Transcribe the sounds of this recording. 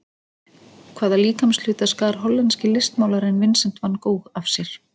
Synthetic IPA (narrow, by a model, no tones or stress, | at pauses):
kʰvaːðaliːkamsl̥ʏːt̪askaɾ̥ɦɔlːɛnscɪlɪst̪maːwlaɾɪnvɪnsɛm̥t̪vanːkoːwxafsjɛɾ̥